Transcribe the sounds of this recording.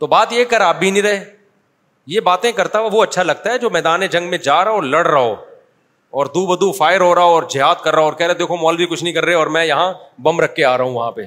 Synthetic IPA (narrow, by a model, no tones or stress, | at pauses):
t̪oːbaːt̪jeːkɐɾaːb̚bʱinĩɾɐɦeː | jebaːt̪ẽkɐɾt̪aɛʋoɐtːʃʰalɐɡ̚t̪aɦɛd͡ʒoːmɛːd̪aːned͡ʒɐ̃ŋɡmẽd͡ʒaːɾɐɦɔːɾlɐɽɾɐɦoː | ɔːɾd̪uːbɐd̪ufaːɪɾɦoːɾɐɔːɾd͡ʒɪɦaːd̪̚kɐɾːɐoɔːɾkɛːɾeed̪eːkʰomɔːlbʱikʊt͡ʃʰnəɦĩkɐɾːɐeɔːɾmɛ̃jɐɦãbɐ̃mɾɐkʰːeaːɾɐɦũʋɐɦãpeː